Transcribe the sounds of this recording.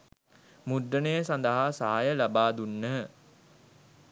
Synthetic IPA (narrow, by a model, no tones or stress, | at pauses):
mud̪ɾənəjəsand̪əɦaːsaɦajəlabaːd̪unːəɦə